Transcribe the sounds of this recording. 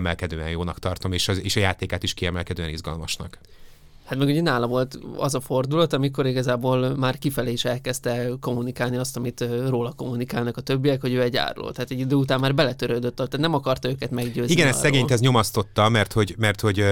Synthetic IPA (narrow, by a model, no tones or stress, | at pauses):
mɛlkɛd̪øːɛ̰njoːnɒkt̪ɒrt̪o̞meːʃɒeːʃɒjaːt̪eːkaːt̪iʃkiɛmɛlkɛd̪øːɛnizɡɒ̰lmɒ̰ʃnɒ̰k | hat̪mɛɡuɟɛnaːlɒvo̞lt̪ɒ̰zɒfo̞rd̪ulɒt̪ɒmiko̞ɾiɡɒzaːboːlmaːrkifɛleːiʃɛlkɛst̪ɛko̞munikaːlniɒst̪ɒmit̪roːlɒko̞mːunikaːlnɒkɒt̪ø̞bːijɛkho̞ɟøːɛɟa̰ːɾlo̰t̪aːt̪ɛɟːid̪øːut̪aːmːaːrbɛlɛt̪øɾøːd̪ø̞t̪ːɒt̪ːaːt̪nɛmɒkɒrt̪ɒøːkɛt̪mɛɡɟøːziɡɛnɛsɛɡeːɲt̪ɛzɲo̞mɒst̪o̞t̪ːɒmɛrt̪ho̞ɟmɛrt̪ho̞ɟ